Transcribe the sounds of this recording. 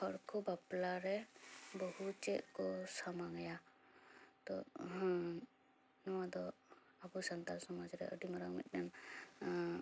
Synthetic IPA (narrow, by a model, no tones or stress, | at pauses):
hɔɽkɔbaplaɾɛbɔhut͡ʃɛʔ̪̚kɔsamaɡɛja | t̪ɔɦ | nɔwad̪ɔ | abusant̪alsɔmad͡ʒɾɛ̰ʔə̰ɖimɔɾaŋmḭt̪̚ˀnɛm